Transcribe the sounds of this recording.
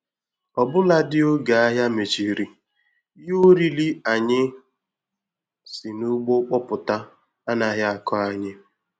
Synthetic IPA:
ɔ˨bʊ˦la˦dɪ˦o˦ɡa˨a˦ɦja˦me˨t͡ʃi˨ɾi˨˦ | jo˦ɾi˦li˦a˨ɲɪ˦ | sɪ˨nu˦ɡ͡bo˦k͡pɔ˦pʊ˨ta˦ | a˦na˨˦ɦja˦a˨kɔ˦a˨ɲɪ˦

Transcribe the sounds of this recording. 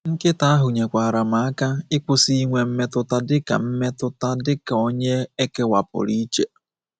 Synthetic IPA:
ŋ̩˦kɪ˦ta˦a˦ɦʊ˨ɲe˨kʷa˨a˨ɾa˨ma˨a˦ka˦ɪ˦kʷʊ˦si˦i˦ŋʷe˦m̩˦me˦tʊ˦ta˦dɪ˦ka̰˨m̩˦me˦tʊ˦ta˦dɪ˦ka˨o˦ɲe˦e˦ke˦wa˨pʊ̰˨ɾi˦t͡ʃe˦

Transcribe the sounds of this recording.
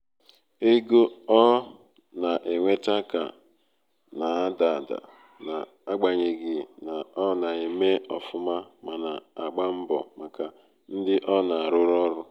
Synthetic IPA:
e˦ɡo˦ɔ˦ | na˨ʔe˨ŋʷe˦ta˦ka̰˨ | na˨a˦da˨da̰˨ | na˨ | a˦ɡ͡ba˨ɲe˨ɡɪ˨na˨ɔ˦na˨e˨me˦ɔ˨fʊ˦ma˦ma˨na˨a˨ɡ͡ba˦m̩˦bɔ˨ma˨ka˨ | n̩˦dɪ˦ʔɔ˦na˨a˨ɾʊ˦ɾɔ˦ɾʊ˦

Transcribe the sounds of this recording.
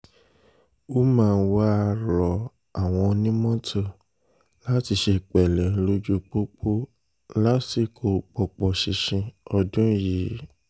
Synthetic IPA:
o˦mãː˦˧n̩˦wa˦˧ɾɔ˨ | a˨w̃ɔ̃˧nĩ˦mɔ̃˦tʰo˦˨ | la˦ti˧ʃe˧k͡pɛ˨lɛ˨˦lo˦d͡ʒu˦k͡po˦k͡po˦ | la˦ti˧kʰo˨k͡pɔ˨k͡pɔ˨ʃi˧ʃĩ˧ɔ˧dũ˦jiː˨˦

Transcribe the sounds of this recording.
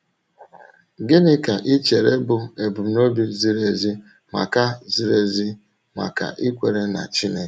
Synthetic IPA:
ɡɪ˦nɪ˦ka˨ʔi˦t͡ʃe˨ɾe˦bʊ˨e˨bʊ˨m˨no˦bi˦zi˦ɾe˨zi˦ | ma̰˨ka˦zi˦ɾe˨zi˦ | ma̰˨ka̰˨ʔi˦kʷe˨ɾe˦na̰˨t͡ʃi˦ne˦

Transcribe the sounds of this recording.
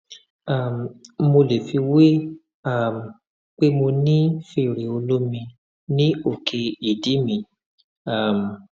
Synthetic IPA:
a˨m˨mo˧le˨fi˧we˦ | a˦˨m˨ | k͡pe˦mo˧nĩ˦fe˦˨ɾe˨o˧lo˦mĩ˧ | nĩ˦o˦˨kʰe˧i˨di˨˦mĩ˧ | a˦˨m˨

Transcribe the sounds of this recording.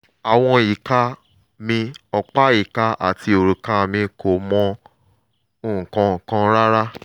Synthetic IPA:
a˨w̃ɔ̃˧ji˨ka˧ | mĩ˧ɔ˧k͡pa˦ji˨ka˧ʔa̰˨ti˧˦o˨ɾu˨ka˧˦mĩ˧ko˨mɔ̃˧ | o˦˨ũ˨kã˧˨kã˧ɾa˦ɾa˦

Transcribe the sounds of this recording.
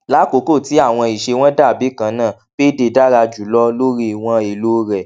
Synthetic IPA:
la˨˦ko˨˦ko˦˨ti˨˦a˦˨w̃ɔ̃˧i˨ʃe˧w̃ɔ̃˦da˦˨bi˨˦kã˨˧˦nã˦˨ | b̥e˦de˧da˦ɾa˧d͡ʒu˨˦lɔ˦lo˦ɾi˧˨w̃ɔ̃˧i˨lo˦ɾɛ˨

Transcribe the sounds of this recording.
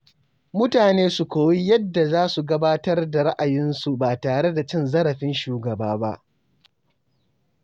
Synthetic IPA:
mʊ˦taː˨neː˦su˨kʷoː˨wi˦jɐ˦dːa˨zaː˦su˨ɡɐ˦baː˦tɐ˦rda˨ɽa˦ʔa˨jɪ˦nsu˨baː˨taː˨ɽe˦da˨t͡ʃɪ˦nzɐ˦ɽɐ˨ɸɪ˦nʃuː˨ɡɐ˨baː˦ba̰˦ʔ

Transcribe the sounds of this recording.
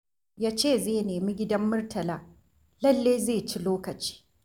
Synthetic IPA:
jaː˦t͡ʃeː˦˨zeː˦˨neː˨mi˦ɡʲɪ˦dɐ˦mːʊ˦rtʰɐ˨laː˦ | lɐ˦lːeː˦zeː˦˨t͡ʃi˦loː˦kɐ˨t͡ʃi̥ː˦

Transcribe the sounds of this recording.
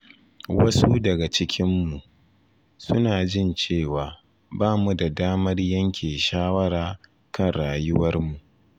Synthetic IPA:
wɐ˦su˦dɐ˨ɡa˨t͡ʃɪ˦kʲʰɪ˦mːu˨ʔ | sʊ˦naː˨d͡ʒɪ˦˨nt͡ʃeː˦˨waː˨ | baː˦mu˨da˨daː˦mɐ˦rjɐ˦ŋkʲʰeː˨ʃaː˦wɐ˦ɾaː˨ | kɐ˦nɽaː˨jʊ˦wɐ˦rmu˨ʔ

